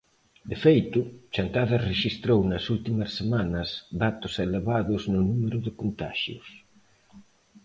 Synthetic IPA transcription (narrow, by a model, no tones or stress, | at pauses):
d̪efejt̪ʊt͡ʃant̪aðɐreʃist̪ɾownɐsult̪imɐsːemanɐsd̪at̪ʊseleβaðʊznʊnumeɾʊðɪkont̪a̰ʃjʊ̰s